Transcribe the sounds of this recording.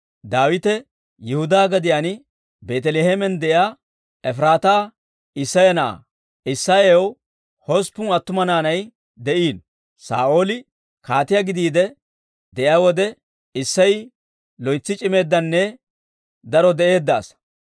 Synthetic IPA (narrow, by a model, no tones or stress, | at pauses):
d̪aːwɪt̪ɛ | jɪhʊd̪aːɡɐd̪ɪjanɪ | beːt̪ɛleːhemɛnd̪ɛʔjaː | ɛfɾaːt̪aː | ɪsːɐjɐnɐʔa̰ː | ɪsːaew | hospːʊnɐt̪ːʊmɐnaːnɐj | d̪ɛʔiːn | sa̰ːʔo̞ːlɪ | kaːt̪ɪjɐɡɪd̪iːd̪ɛ | d̪ɛʔɪjaːwɔd̪ɛ | ɪsːɐj | lɔjt͡sːɪt͡ʃʼɪme̞ːd̪ːɐnːɛ | d̪ɐɾɔd̪ɛʔe̞ːd̪ːa̰ːs